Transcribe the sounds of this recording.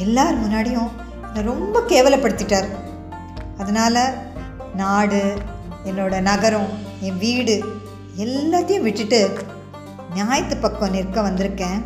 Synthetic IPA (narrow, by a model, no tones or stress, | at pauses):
ɛlːaːɾɯmʊnːaːɽɪjʊ̃ | ɛnːɐɾɔmbɐkeːʋɐlɐpːɐɽɯt̪ːɪʈːaːɾ | ɐðɐnaːlɐ | naːɽɯ | ɛnːoːɽɐnɐɣɐɾɐ̃ɛ̃ʋiːɽɯ | ɛlːaːt̪ːɐjʊ̃ʋɪʈːɯʈːɯ | nɪjaːjɐt̪ːɯpːɐkːɐ̃nɪɾkːɐ̃ʋɐnd̪ɪɾɯkːẽː